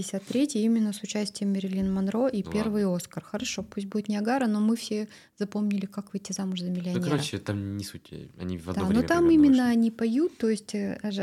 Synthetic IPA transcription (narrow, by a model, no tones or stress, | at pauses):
ɪsʲat̪ːɾʲetʲjɪimʲɪnːəsʊt͡ɕæsʲtʲɪjəmːʲɪɾʲɪlʲinmɐnɾo̞ʔipʲe̞rvɨjo̞skərxəɾɐʂo̞pusʲt̚ʲbudɪt̪nʲɪɐɡaɾəno̞mɨfsʲe | zɐpo̞mnʲɪlʲɪkakvɨjtʲːɪzamʊʐzəmʲɪlʲɪɐnʲeɾoɕɪt̪amnʲɪsutʲɐ̰nʲḭvɐ̰d̪d̪aanot̪amimʲɪnːəɐnʲipɐjut̪ːo̞jɪsʲtʲ